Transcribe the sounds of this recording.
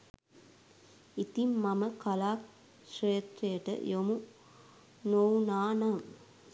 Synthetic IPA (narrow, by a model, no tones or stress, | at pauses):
it̪imːɐmɐkɐlaːk | ʃɾejt̪ɾɐjɐʈɐ̰jomu | nownaːnaːm